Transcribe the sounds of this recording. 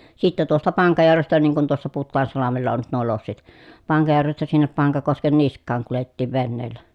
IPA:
sitːe tuostɑ pɑŋkɑjærʋestæ niːŋ kun tuosːɑ putːɑːnsɑlɑmelːɑ on nyt nuo losːit pɑŋkɑjærʋestæ sinːep pɑŋkɑkosken niskˑɑːŋ kuletːiːʋ ʋenːeːlːæ

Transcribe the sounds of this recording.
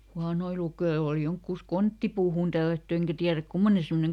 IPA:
huɑnoi lukeoː oli joŋkːuˑs kontːipuːhuˑn tælːætːy eŋkæ tiæræk kumːone semːoneŋ

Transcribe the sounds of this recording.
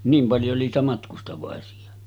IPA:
niːm pɑljo oli niːtæ mɑtkustɑʋɑˑesiɑ

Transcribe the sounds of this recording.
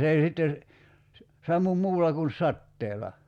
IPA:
s ei sitːe sɑmːum muːlːɑ kun sɑtːeːlɑ

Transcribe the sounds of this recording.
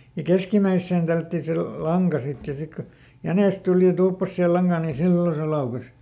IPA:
jɑ keskimæisːeːn tælːætːi se lu lɑŋkɑ sit jɑ jɑ sik ko jæneˑs tuli jɑ tuːpːɑs sihe lɑŋɡ̊ɑːn niːn̞ silːo se lɑukes

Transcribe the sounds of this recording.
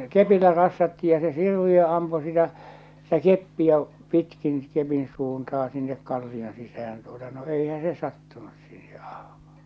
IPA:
kepilːæ rɑsːɑtːi jɑ se sirʋiø ɑmpu sitæ sitæ kepːiæ pitkin kepin suːntɑhɑ̥ sinːek kɑlːion sisæh̞æn tuotɑ no eihæ se sɑtːunus siːhe̥ ɑ̥hm̥ɑ̥ː

